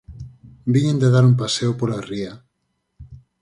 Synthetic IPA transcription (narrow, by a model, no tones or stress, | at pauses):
biɲend̪eðaɾumpaseopolaria